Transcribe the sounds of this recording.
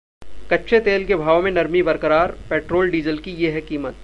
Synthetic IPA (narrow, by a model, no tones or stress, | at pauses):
kɐtːʃʰet̪eːlkebʱaːʋomẽnɐɾmibɐɾkəɾaːɾpeːʈɾoːlɖiːzəlkijeɦɛkiːmət̪̚